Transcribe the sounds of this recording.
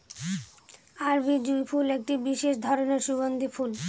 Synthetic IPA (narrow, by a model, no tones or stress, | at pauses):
aɾbid͡ʑujpʰulek̚ʈibiʃeʃd̪ʱɔɾoneɾʃubond̪ifʰul